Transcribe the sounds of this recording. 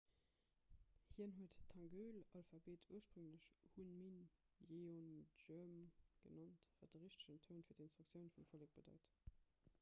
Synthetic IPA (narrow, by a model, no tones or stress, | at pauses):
hiːənɦuətʰːɑŋɡøːlɑlfabeːtʰuːɐʃpʁuŋləɕhunmin | jeonømɡ̥ənɑntva̰ːt̚dəʁiʃtə̥ɕəntʰoʊnfiɐdinstʁ̥uk̚sjəʊnfumfolək̚b̥ədɑ̰ɪt